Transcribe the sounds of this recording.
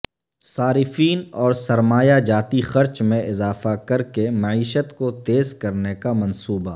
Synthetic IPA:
saːɾɪfiːnɔːɾsɐɾmaːjad͡ʒaːt̪ixɐɾt͡ʃmẽʔɪzaːfakɐɾkemɐʕiːʃət̪kot̪eːzkɐɾnekamɐ̃nsuːba

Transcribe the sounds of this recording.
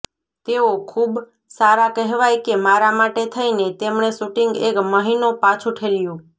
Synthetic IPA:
t̪eokʰub | saɾakɛɦʋajkemaɾamaʈet̪ʰəinet̪emɳesuʈiŋɡekməɦinopãt͡ʃʰuʈʰeljũ

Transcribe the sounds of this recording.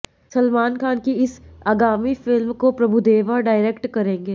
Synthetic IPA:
sɐlmaːnkʰaːnkiɪsaːɡaːmifɪlmkopɾɐbʱud̪eːʋaɖaːɪɾeːkʈkɐɾẽːŋɡeː

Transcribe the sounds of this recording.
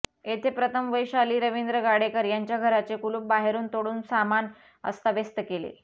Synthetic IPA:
et̪ʰepɾət̪ʰəmʋəjɕaliːɾəʋind̪ɾəɡaɽekəɾjaɲt͡ɕjaɡʱəɾat͡sekuluːp̚baɦeɾuːnt̪oɽuːnsaman | ə̰st̪aʋest̪əkelḛ

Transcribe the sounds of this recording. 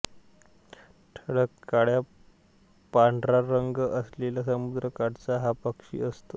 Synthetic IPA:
ʈʰəɽəkːaɽja | paɳɖɾaɾəŋɡəslelasəmud̪ɾəkaɽt͡saɦapəkʂḭːəst̪o

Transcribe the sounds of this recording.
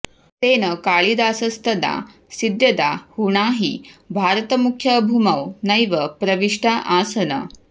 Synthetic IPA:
t̪eːnɐkaːɭid̪aːsɐst̪ʰɐd̪a̰ː | sid̪jɐd̪aːhuɳaːɦibʱaːɾɐt̪ɐmukʰjɐbʱumɐwnɐjʋɐpɾɐʋiʂʈaːʔaːsɐnɐ̰

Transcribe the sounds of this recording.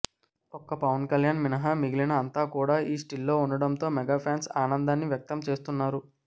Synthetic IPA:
ɔkɐpɐʋɐnkɐljaːnminɐɦɐmiɡilinɐːnt̪aːkuːɽaːʔiːsʈilːo̞ːunɖɐɽɐmt̪o̞ːmɛɡaːpʰjaːnsaːnɐnd̪aːnːiʋjɐk̚t̪ɐmt͡ʃe̞ːst̪unːaːɾu

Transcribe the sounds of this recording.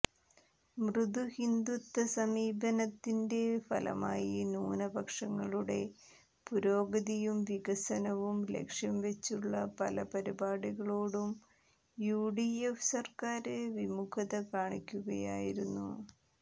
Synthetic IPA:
mrɨd̪uhind̪ut̪ːɐsɐmiːbɐnɐt̪ːinde̞fɐ̰lɐ̰ma̰ːjinuːnɐbɐkʂɐŋːɐɭuɽe̞ | puɾo̞ːɡɐðijumʋiɣɐsɐnɐʋumlḛkʂjɐmʋe̞t͡ɕːuɭːɐpɐlɐpɐɾibaːɽiɣɐɭoːɽum | juːɖiefsɐrkaːɾɨʋimukʰɐðɐkaːɳikʲːuɣɐja̰ːjiɾunːṵ

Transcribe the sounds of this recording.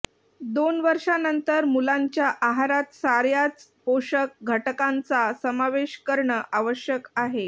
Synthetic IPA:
d̪onʋəɾʂanənt̪əɾmulaɲt͡ɕjaʔaɦaɾat̪saɾjat͡spoʂək̚ɡʱəʈkãnt͡sasəmaʋeɕkəɾɳəʔaʋəɕjəkaɦe

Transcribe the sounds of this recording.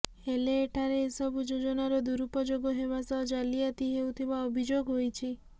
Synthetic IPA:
eleːʈʰaɾeesɔbud͡ʒod͡ʒɔnaɾɔd̪uɾupɔd͡ʒoɡɔɦeβasɔd͡ʒaliat̪iɦeut̪ʰibaɔbʱid͡ʒoɡɦojt͡ʃʰi

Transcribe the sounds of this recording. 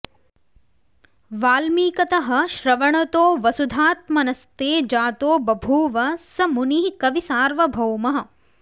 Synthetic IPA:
ʋaːlmiːkɐt̪ɐɦɐ̆ʃɾɐʋɐɳɐt̪oːʋɐsud̪ʱaːt̪mɐnɐst̪eːd͡ʒaːt̪oːbɐbʱuːʋɐsɐmuniɦikɐʋisaːɾʋɐbʱɐwmɐɦɐ̆

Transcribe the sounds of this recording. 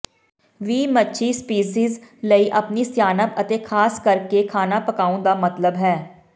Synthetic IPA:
ʋiːmətːʃʰiːspiːsiːzləiːʔəpniːsjaːnəpət̪eːkʰaːskəɾkekʰaːnaːpəkaːũːd̪aːmət̪ləbɦɛː

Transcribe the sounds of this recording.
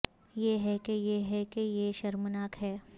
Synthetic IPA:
jeɦɛkejeɦɛkejeʃɐɾmənaːkɦɛː

